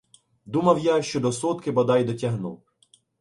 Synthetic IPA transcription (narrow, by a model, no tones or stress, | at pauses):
d̪umɐwjaʃt͡ʃɔd̪ɔsɔt̪kɪbɐd̪ɑjd̪ɔtʲɐɦnuw